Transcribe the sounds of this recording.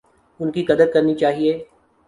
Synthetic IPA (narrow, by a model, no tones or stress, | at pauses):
ʊnkiɡɐd̪əd̪̚kɐɾnit͡ʃaːɦieː